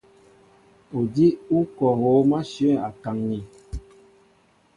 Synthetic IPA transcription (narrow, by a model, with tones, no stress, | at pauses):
o˨di˦u˦kɔ˨ɦo˨˦ma˦ʃɥɛ˦˨a˨ka˨ŋni˨